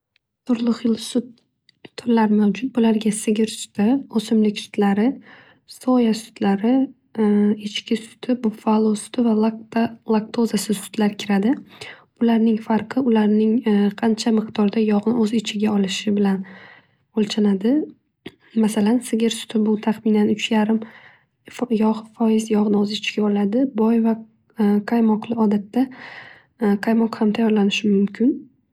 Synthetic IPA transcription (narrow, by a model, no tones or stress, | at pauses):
t̪ʰʊɾlˠɨqjlˠsʊt̪ʰː | ʊɾlaɾmawd͡ʒʊt̪̚bʊlaɾɡʲasɪɡʲɪɾsʊ̥t̪ʰɪosɪmlɪkʲsʊ̥t̪laɾɪ | sɒjasʊ̥t̪laɾɪ | ɪt͡ʃkʲɪsʊ̥t̪ʰɪbʊfalˠosʊ̥t̪ʰɪva | lˠak̚t̪ʰozasɪsʊ̥t̪ʰlaɾɪkʲʰɪɾad̪ɪbʊlaɾnɪŋfaɾqʰɨʊlaɾnɪŋqʰɑnt͡ʃʰamɪqt̪ʰɒɾd̪ajɒʁnɪʔɵzɪt͡ʃʰɪɡʲaɒlɪʃɪbɪlan | olt͡ʃʰanad̪ɪ | masalansɪɡʲɪɾsʊ̥t̪ʰɪbʊt̪ʰaχmɪnanʊt͡ʃʰjaɾɪm | jɒʁfɒjɪzjɒʁnɵzɪt͡ʃʰɪɡʲaɒlad̪ɪbɒjva | kʰajmɒqlˠɪɒd̪at̪ːa | qʰajmɒqhamt̪ʰajɒɾlanɪʃɪmʊmkʲʰɪn